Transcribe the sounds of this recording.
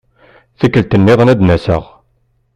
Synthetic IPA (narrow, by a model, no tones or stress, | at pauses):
θəkːəlt̪ənːɪðˤnæd̪næsə̰ʁ